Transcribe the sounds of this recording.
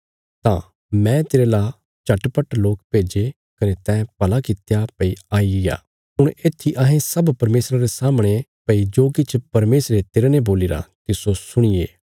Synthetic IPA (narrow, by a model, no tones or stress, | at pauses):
t̪ã | mɛ̃t̪eːɾela | t͡ʃɐʈpəʈloːk̚peːd͡ʒe | kɐnet̪ɛ̃ːpɐlakɪt̪japɐiaːiɡɪja̰ː | ʊɽ̃eːt̪ʰːiʔɐɦẽsɐbpɐɾmeːsɾaɾesaːmɽ̃epɐid͡ʒoːkɪt͡ʃʰpɐɾmeːsɾet̪eːɾeneboːlɪɾa̰t̪ɪsosʊɽ̃ɪjḛː